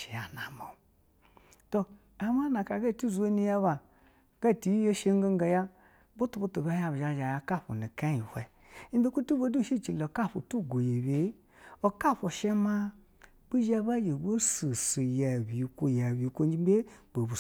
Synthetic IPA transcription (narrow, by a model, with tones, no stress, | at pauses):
ʃe˨ja˨na̰˨mo̰˨ | to˧ | a˨m˦a˦na˨ka˨ɡa˦˨ti˦˨zu˨˦o˦ni˦ja˦βa˨ | ɡ̥a˦˨ti˨jje˦ʃe˦ŋ˦o˦ŋ˦ɡa˨ja˦ | bo˦tu˨bo˦tu˨ba˦ja˨bʒa˨ʒa˨ja˧ka˦˨ɸo̰˨ni˨ka˦i˨hʷe˨ | i˦be˦kʷu˦tu˦bo˦du˦˨ʃi˦˨t͡ʃi˨lo˨ka˦˨ɸo̰˨tu˦˨ɡo˨je˨be˨˦ | o˨ka˦˨ɸo˨ʃe˦ma˦ | b̥i˦ʒa˦ba˦je˨ɡo˦si˨si˨ja˨bi˨kʷo˨ja˨bi˨kʷo˦n˦d͡ʒi˦be˦bo˨bu˨